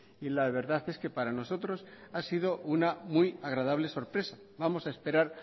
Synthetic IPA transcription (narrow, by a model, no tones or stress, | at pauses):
ilaβe̞ɾðaθe̞ske̞paɾano̞so̞t̪ɾo̞sasið̞o̞ʔunamujaɣ̞ɾað̞aβ̞le̞so̞ɾpɾe̞sa | βamo̞sae̞spe̞ɾaɾ